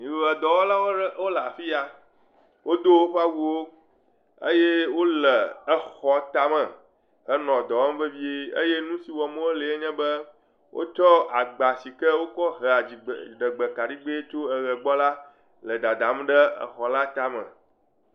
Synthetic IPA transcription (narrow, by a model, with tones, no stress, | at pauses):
mĩ˨˦˨ɛ˨d̪ɔ˨wɔ˦la˦wwo˦lə˨a˨fi˦a˨ | wo˦d̪o˦wo˦ɸa˦wu˦wo˦ | ə̰˦je˦wo˦lə˨ə˨xɔ˨t̪a˦mɛ̃˨ | ə˦nɔ̃˨d̪ɔ˨wɔ˦m˦bə˦vi˦e˦ḛ˦je˦nũ˦si˨wɔ˨mõ˦wo˦le˨e˦ɲɛ̃˦bə˦ | wʔo̰˦t͡ʃɔ˦a˨ɡ͡ba˨si˨kɛ˦wo˦kɔ˦ɦɛ˨a˨d͡ʑi˨ɖə˨ɡ͡bə˨ka˨ɖi˦ɡ͡be˦e˦t͡ʃo˦ə˨ɣə˨ɡ͡bɔ˦la˦ | lə˨d̪a˨d̪a˨m˦ɖə˦ə̰˨xɔ˨la˦t̪a˦mə̰̃˨